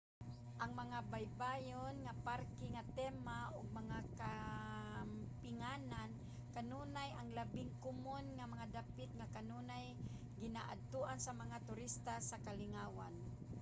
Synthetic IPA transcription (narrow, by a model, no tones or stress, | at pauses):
ʔaŋmaŋabajbajonŋapaɾkɪŋat̪ɛmaʔʊɡ̚maŋaka | m | pɪŋanan | kanuːnajaŋlabɪŋkʊmonŋamaŋad̪apɪt̪̚ŋakanuːnaj | ɡɪnaʔa̰d̪̚t̪uʔansamaŋat̪ʊɾɪst̪asakalɪŋaːwan